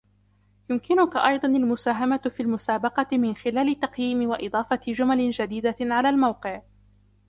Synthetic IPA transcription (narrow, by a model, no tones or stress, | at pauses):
jʊmkɪnʊkaʔɑjd̪ˤɑnalmʊsaːɦamafilmʊsaːbɑqɑmɪnxɪlaːlɪt̪ːɑqjiːmɪwaʔɨd̪ˤɑːfɑɪd͡ʒʊmalɪnd͡ʒad̪iːd̪aʕalaːlmawqɨʕ